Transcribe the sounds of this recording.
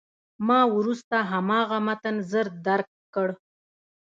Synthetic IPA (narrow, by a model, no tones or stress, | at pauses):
mɑwɾust̪aɦamɑɣamat̪ənzəɾd̪aɾkːəɽ